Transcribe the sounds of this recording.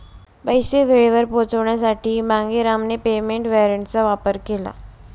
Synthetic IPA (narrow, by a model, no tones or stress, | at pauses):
bəjseʋ̤ʱeɭeʋəɾpot͡səʋɳjas̬aʈiːbãŋɡeɾamnepemeɳʈʋeɾəɳʈt͡saʋapəɾkela̰